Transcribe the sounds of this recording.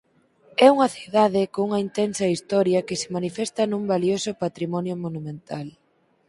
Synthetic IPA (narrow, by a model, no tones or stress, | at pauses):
ɛuŋɐθiðaðɪkouŋɐint̪ɛnsɐist̪ɔɾjɐkɪsɪ̥manifɛst̪ɐnũmbaliosʊpat̪ɾimɔnjʊmonumẽnt̪al